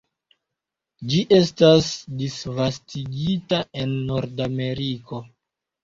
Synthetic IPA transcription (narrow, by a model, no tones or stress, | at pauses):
d͡ʒiʔe̞stasdisvastiɡitae̞nːo̞ɾdame̞ɾiko̞